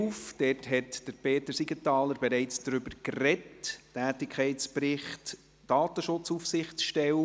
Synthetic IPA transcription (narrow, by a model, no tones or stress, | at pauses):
fd̥ɛthɛtd̥əɾpʰeːtəɾsiɡətɑːləɾbɛɾɛɪt͡sd̥ɾʏbəɾkrɛtːæːtɪkʰχɛɪtt͡spɾɪχt | d̥ɑːtəʃʊt͡sufsɪχt͡sʃtɛwə